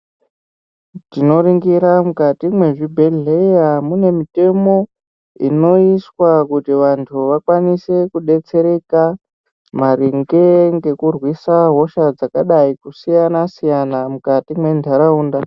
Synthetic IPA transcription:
tino̞ɾiŋɡiɾamukatimwe̞ʐibʱe̞ɮe̞jamune̞mite̞mo̞ | ino̞iswakutiʋantʰuʋakwanise̞kuɗe̞t͡se̞ɾe̞ka | maɾiŋɡe̞ŋɡe̞kurwisaɦo̞ʃad͡zakaɗaikusijanasijanamukatimwe̞ndʱaɾauːnda

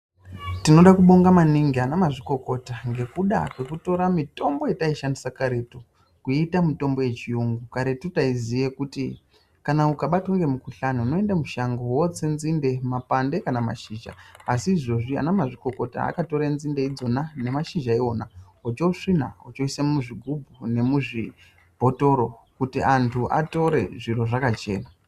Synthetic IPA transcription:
tino̞ɗakuɓo̞ŋɡamaniŋɡianamaʐiko̞ko̞taŋɡe̞kuɗa̰kwe̞kuto̞ɾamito̞mbo̞jetaiʃandisakaɾe̞to | kuitamito̞mbo̞je̞t͡ʃiuŋɡukaɾetutaizijekuti | kanaukaɓatwaŋɡe̞mukuɬanuuno̞e̞ndamuʃaŋɡowo̞t͡se̞nzinde̞mapande̞kanama̰ʃiːd͡ʒa̰asiːʐo̞ʐia̰namaʐiko̞ko̞ta̰a̰kato̞ɾenzinde̞id͡zo̞nane̞maʃid͡ʒaeonawot͡ʃo̞ʂina̰ut͡ʃo̞isemuʐiɡʱubʱune̞muʐi | b̥ʱo̞to̞ɾo̞kutiʔantʰuʔa̰to̞ɾe̞̰ʐiro̞ʐakat͡ʃe̞ːna

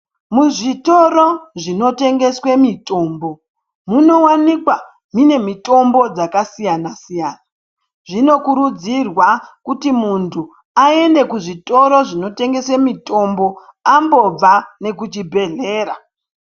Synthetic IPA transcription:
muʐito̞roʐino̞te̞ŋɡe̞swe̞mito̞ːmbo̞ | muno̞wanikwa | mine̞mito̞mbo̞d͡zakasijanasijaːna | ʐino̞kuɾud͡zirwakutimuntʰu | ae̞nde̞kuʐito̞ɾo̞ʐino̞te̞ŋɡe̞swemito̞mbo̞ | ambo̞b͡vane̞k̬ut͡ʃibʱe̞ɮe̞ːɾa

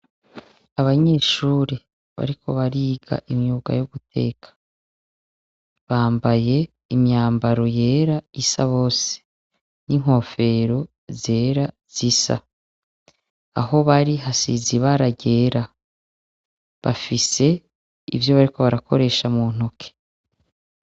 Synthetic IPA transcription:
aβaɲe̞ːʃuːɾe | βa̰ɾikʰo̞̰βaɾiːɡa̰ʔimjuːɡa̰juɡutʰe̞̰ːkʰḁ | βaːmbaje̞ | imjaːmbaɾo̞je̞ːɾaisa̰βo̞ːse̥ | niŋ̥ho̞fe̞ɾo̞ | ze̞ːɾa | z̥isa̰ | aɦo̞βaɾiɦasḭziβaɾaɟe̞ːɾa | βa̰fise̞ | ḭvjo̞βaɾiko̞βaɾakʰoɾe̞ːʃamuːn̥okʰe̥

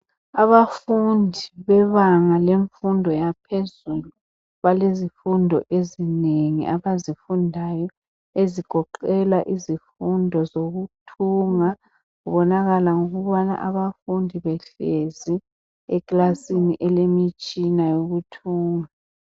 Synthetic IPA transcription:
aβafundʱiβɛβaŋaleɱfundʱɔjapʰezulu | βalezifundʱɔ̰ʔezineŋḭʔaβazifundʱajɔ | eziɡ̥ʱɔǃɛlaʔizifundʱɔzoɣutʰuŋa | ɣuβɔnaɣalaŋoɣuβana̰ʔaβafundʱiβɛɬezi | ɛkʼlasiniʔɛlemit͡ʃʼinajoɣutʰuːŋa

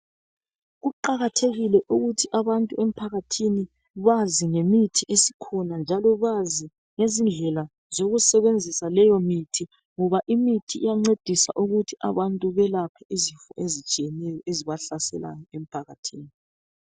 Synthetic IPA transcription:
ɣuǃaɣatʰeɣilɛʔuɣutʰiʔaβantʼuɛm̩pʰaɣatʰini | βaziŋemitʰiʔesi̥kʰɔnand͡ʒʱalɔβazi | ŋezind͡ɮʱɛla | zoɣusɛβend͡zʱisalɛjɔmitʰi | ŋɔβaʔimitʰiːjaŋ͡ǀed̥ʱisa̰ʔuɣutʰiʔa̰βantʼuβɛlapʰɛizifɔʔezit͡ʃʼijɛnɛjɔʔeziβaɬasɛ̰lʔa̰jɔem̩pʰaɣatʰiːni

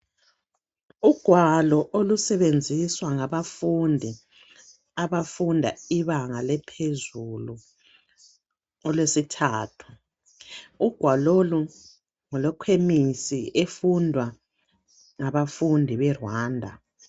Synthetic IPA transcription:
uɡ̥ʱwalɔʔolusɛβend͡zʱiswaŋaβafundʱi | aβafundʱa̰iβaŋalɛpʰezulu | ɔlwesitʰaːtʰu̥ | uɡ̥ʱwalolu | ŋɔlwɛkʰwemisiefundʱwa | ŋaβafundʱiβɛrwaːndʱa̰

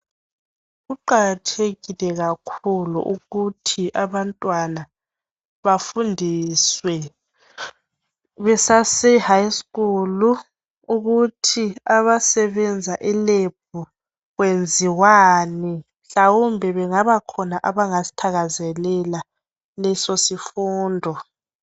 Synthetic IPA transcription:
ɣuǃaɣatʰeɣilɛɣakʰulṵʔuɣutʰiʔaβantʼwana | βafundʱiswɛ | βɛsasɛhaisi̥ɣuluː | ɣutʰiaβasɛβɛnd͡zʱaʔileb̥̚ʱu | ɣwend͡zʱiwaːnɛ | ɬawumbʱɛβɛŋaβakʰɔnaʔaβaŋasi̥tʰaɣazɛlɛla | lɛsosifuːndʱɔ

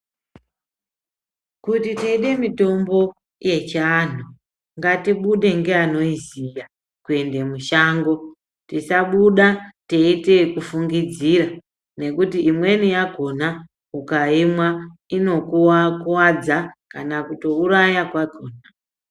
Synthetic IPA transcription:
kutiteiɗe̞mito̞mbo̞ | je̞t͡ʃan̤u | ŋɡatiɓuɗe̞ŋɡe̞ano̞izija | kue̞nde̞muʃaːŋɡo̞ | tisaɓuɗateite̞kufuŋɡid͡zira | ne̞kutiːmwe̞nijaɡʱo̞na | ukaimwaino̞kuwakuwad͡zakanakuto̞uɾajakwaɡʱo̞ːna

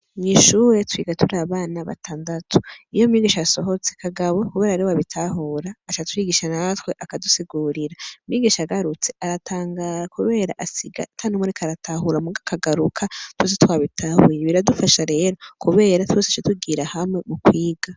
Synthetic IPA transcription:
ɲiʃuɾetwḭːɡatuɾaːβaːnaβa̰tʰaːndatʰu̥ijomɲiɡiːʃaaso̞ɦo̞t͡sekʰaɡaβekuβe̞ːɾaːɾiwoaβitʰaɦoːɾaːt͡ʃatwiːɡiːʃanatwe̞ʔakadusiɡuːɾiɾamɲiːɡiːʃaɡaɾut͡se̞aɾatʰaːŋɡaɾakuβe̞ːɾa̰ʔasiɡa̰tʰanomuɾikaɾatʰaɦuɾamuɡakʰaɡaɾukʰatwos̬etwaːβitʰahujeβiɾadufaʃaɾe̞ːɾo̞kuβe̞ːɾatweːset͡ʃatuɡiːɾahamŋemukwiːɡa

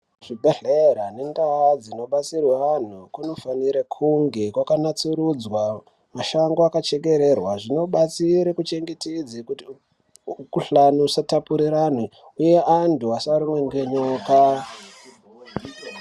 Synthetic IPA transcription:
ʐ̥ibʱeɮeɾanendawad͡zino̞ɓat͡sirweʋan̤ukuno̞faniɾekʰuŋɡe̞kwakanat͡suɾud͡zwa | maʃaŋɡoakat͡ʃe̞kɡe̞ɾe̞rwaʐino̞ɓat͡siɾekut͡ʃe̞ŋɡetid͡ziu | kuɬanuːsatapuɾiɾanweuje̞ʔantuasaɾimwe̞ŋɡe̞ɲoːka

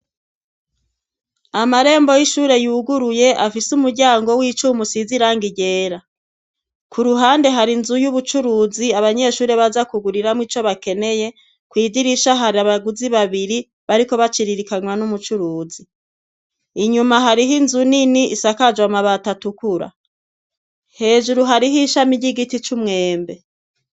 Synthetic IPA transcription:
amaɾe̞ːmbojiʃuːɾe̞juːɡuɾuje̞ʔafisumuɾɟaːŋɡo̞wiːt͡ʃumusiziɾaːŋɡiɟe̞ːɾa | kʰuɾuɦaːnde̞ɦaɾinzujuβut͡ʃuɾuːziaβaɲe̞ʃuːɾeβazakuɡuɾiɾamwit͡ʃo̞βake̞ne̞je̞ | kwiːdiɾiʃaɦaɾiaβaɡuziβaβiɾi | βaɾiko̞βat͡ʃiɾiɾikaɲwanumut͡ʃuɾuːzi | iɲumaɦaɾiɦinzuniniisakad͡ʒwamaβatatukuɾa̰ | he̞ːʒuɾuɦaɾiɦiʃamiɟiɡitit͡ʃumŋe̞ːmbe̞

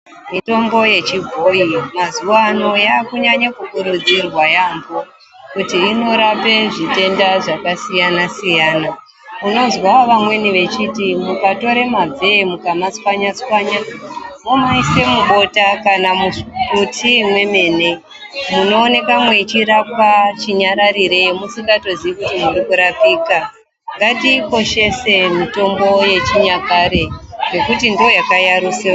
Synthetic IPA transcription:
mito̞mbo̞je̞t͡ʃiɡʱo̞jimazuwaːno̞jaːkuɲaɲakukuɾud͡zirwajaːmbo̞ | kutiːno̞ɾape̞ʐite̞ndaʐakasijanasijaːna | muno̞zwaʋamwe̞niʋe̞t͡ʃitimukato̞ɾe̞mab͡vemukamaswaɲaswaɲamomaise̞muɓo̞takanamukutʰimwe̞me̞ːne̞ | muno̞ːne̞kamwe̞t͡ʃirakwat͡ʃiɲaɾaɾiɾe̞emusiŋɡato̞ziikutimuɾikuɾafiːka | ŋɡatiːko̞ʃe̞se̞mito̞mbo̞je̞t͡ʃiɲakaɾe̞ʐe̞kutindio̞jakajaɾusia

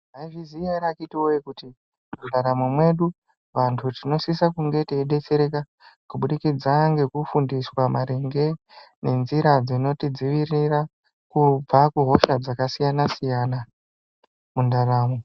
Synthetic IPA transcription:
aiʐizijaiɾakitiwojekuti | mundaɾamomwe̞ɗu | ʋantʰutino̞sisakuŋɡe̞teːɗe̞t͡seɾe̞ka | kuɓuɗikid͡zaŋɡe̞kufundiswamaɾeŋɡe̞ | ne̞nziɾad͡zino̞tid͡ziʋirira | kub͡vakuɦo̞ʃad͡zakasijanasijaːna | mundaɾaːmo

